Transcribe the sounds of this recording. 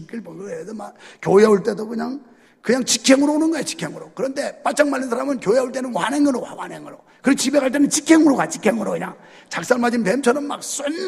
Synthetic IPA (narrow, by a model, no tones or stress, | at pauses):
k͈iɭpʌɡɯedɯmakjoauɭt͈e̞dokɯɲaŋ | kɯɲaŋt͡ɕikʰeŋɯɾoːnɯnɡʌjet͡ɕi̥kʰeŋɯɾokɯɾʌnde̞p͈at͡ɕ͈ʰaŋmalːɯnsʰaɾamɯnkjoiauɭt͈e̞nɯnwaneŋɯɾowa̰wa̰neŋɯɾo | kɯɾet͡ɕibe̞ɡaɭt͈enɯnt͡ɕikʰeŋɯɾoɡat͡ɕikʰeŋɯɾokɯɲa̰ŋ | t͡ɕak̚s͈aɭmad͡ʑinpemt͡ɕʰʌnɯnma̰k̚s͈en